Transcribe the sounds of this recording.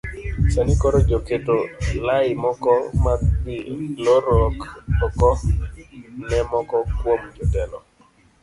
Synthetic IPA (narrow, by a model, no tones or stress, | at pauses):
sanikɔɾɔd͡ʒoketolaɪmɔkɔmabilɔɾɔkɔkɔ | nɛmɔkɔkwomd͡ʒɔtɛlɔ̰